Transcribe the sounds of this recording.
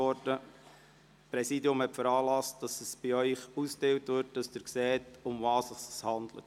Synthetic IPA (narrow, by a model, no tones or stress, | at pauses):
ɔɾdə | pɾɛsidiʊmhɛtfəɾɑːlɑst̚d̥ɑsəsb̥iœʏχusktɪwtʋɪɾt̚d̥ɑsdɪɾksɛːtʊmvɑːsɑsəshɑnd̪lə̰t